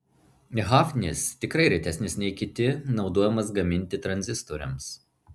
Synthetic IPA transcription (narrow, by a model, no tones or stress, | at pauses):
nʲɛɦɑfʲnʲɪst̪ʲɪkɾɐɪɾʲɛɪt̪ʲɛsʲnʲɪsʲnʲɛɪkʲɪt̪ʲɪnɒʊd̪oɔjɛmɐs̬ɡɐmʲɪnʲt̪ʲɪt̪ɾɐnʲzʲɪst̪ɔɾʲɛ̰ms